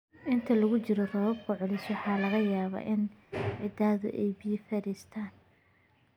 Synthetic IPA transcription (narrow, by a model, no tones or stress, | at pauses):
ʔɪnt̪ʰɐlɐɣʊt͡ʃɪɾɔd̪ɐβɐb̚kʰʊʕʊlɪswɑħɑːlɐɣɐjaːβa̰ːʔɪnʕɪd̪aːðʊ̰ʔɛjbifɐɾiːst̪ʰaːn